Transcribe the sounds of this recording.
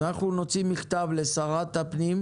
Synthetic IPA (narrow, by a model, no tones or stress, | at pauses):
naχuno̞t͡simiχt̪avlesaʁat̪apnim